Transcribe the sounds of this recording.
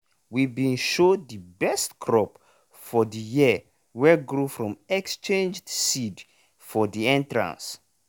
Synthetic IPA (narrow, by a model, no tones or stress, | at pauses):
wibĩnʃodəbɛstkʰɹɔp | fɔdəjiə | wɛɡɹufɹɔ̃mɛkst͡ʃẽnd͡ʒdsid | fɔdiɛ̃ntɹã̰ns